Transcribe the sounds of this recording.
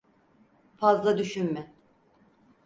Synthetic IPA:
fazlˠad̪yʃynmɪ

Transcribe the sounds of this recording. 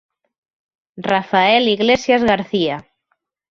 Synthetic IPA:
rafaɛliɣlesjazɣaɾθia

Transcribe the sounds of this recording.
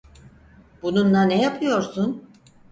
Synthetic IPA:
bununlanejapʰɯjo̞ɾsun

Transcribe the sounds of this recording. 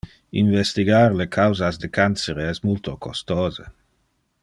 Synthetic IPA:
ḭnvɛst̪iɡarlekʰawzazd̪əkanseɾeɛsmult̪okʰost̪ɔːzə

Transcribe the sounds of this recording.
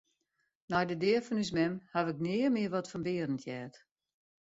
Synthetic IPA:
nɔjdədɪːəfɔnys̬mɛmhaʋɪknɪəmɪərʋɔtfɔnbɪəɾəntʰjɛːt

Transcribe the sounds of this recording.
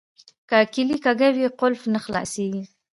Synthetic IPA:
kakɪlikaɡawiqʊlfnaxlɑ̰seɡi

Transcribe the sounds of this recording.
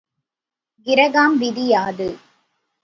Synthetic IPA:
ɡɪɾɐɣaːmʋɪðɪjaːðɯ

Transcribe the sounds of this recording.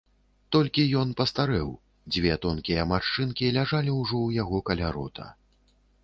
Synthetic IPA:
t̪ɔlʲkʲijɔnpɐst̪aɾɛw | d͡zʲvʲɛt̪ɔnkʲijɐmaʂt͡ʂɨnkʲilʲaʐalʲiwʐɔwjaɣɔkɐlʲaɾɔt̪ʰɐ̰

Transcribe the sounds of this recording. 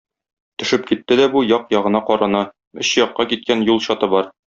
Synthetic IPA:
t̪ɵ̆ʃɘp̚kit̪ːɘd̪æbujɒqjɒʁɤ̆nɑqɒɾɑnɑ | ɵ̆ɕjɒqːɑkit̪̚kænjulˠɕɒt̪ɤbɒɾ

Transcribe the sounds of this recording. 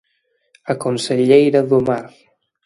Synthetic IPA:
akonseʎejɾaðumaɾ

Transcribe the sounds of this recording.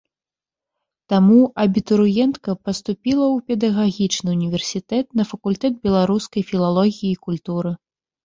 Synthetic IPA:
t̪amuʔɐbʲit̪uɾujɛnt̪kɐpɐst̪upʲilˠɐwpʲɛd̪ɐɣaɣʲit͡ʂnɨunʲivʲɛrsʲit̪ɛt̪nɐfɐkulʲt̪ɛd̪̚bʲɛlˠaɾuskɐjfʲilˠalˠɔɣʲijiːkulʲt̪uɾɨ

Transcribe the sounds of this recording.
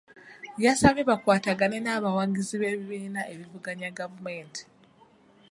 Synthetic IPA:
jasaβiβakwaːtaɡane̞naːβawaːŋɡiziβe̞ːβiβiːnaʔe̞βivuɡaɲaɡavume̞ːntʰi̥

